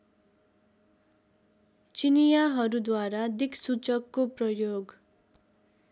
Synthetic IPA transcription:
t͡sinijaɦʌɾud̪waɾad̪iksut͡sʌkːoprʌjoɡ

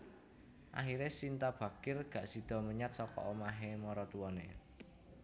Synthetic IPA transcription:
ʔa̰xiɾesint̪ab̥ä̤kɪrɡ̥ä̤ʔsid̪̥ɔ̤məɲat̪̚sɔkɔ̰ʔomaɦemɔɾɔt̪uwɔnḛ

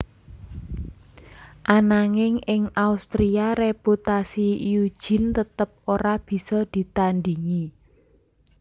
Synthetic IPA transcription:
ʔanaŋɪŋɪŋaust̪ɾiaɾeput̪asijud̥ʒ̥ɪ̤nt̪ət̪əp̚oɾab̥i̤sɔd̪̥i̤t̪and̪iŋi

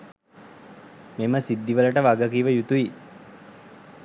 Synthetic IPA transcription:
meməsid̪ːiʋələʈəʋaɡəkiːʋəjut̪uʋi

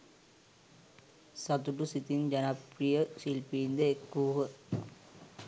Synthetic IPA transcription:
sɐt̪ːuʈusit̪ind͡ʒɐnɐpɾijɐsilpiːnd̪ɐekːuːɣɐ

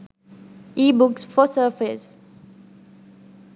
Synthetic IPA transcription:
ʔiːbuksfɔsəfɪs

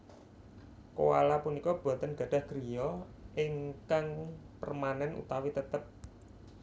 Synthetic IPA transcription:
kowa̰lapunikɔb̥uat̪ənɡ̥ä̤ɖ̥a̤hɡ̥ɾijɔʔɪŋkaŋpərmanɛnṵt̪awit̪ət̪əp̚

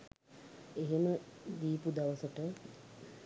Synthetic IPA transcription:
eɦeməd̪iːpud̪aʋəsəʈə

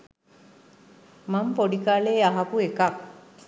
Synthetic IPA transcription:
mampoɖikaːleːaɦakuekak

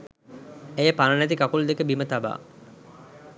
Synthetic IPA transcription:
ejəpanənæt̪̬ikakuld̪ekəbimət̪aba̰ː

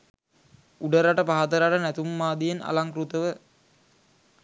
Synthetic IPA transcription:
uɖəɾaʈəpaɦat̪əɾaʈənæt̪umːaːd̪ijena̰laŋkɾut̪əʋə

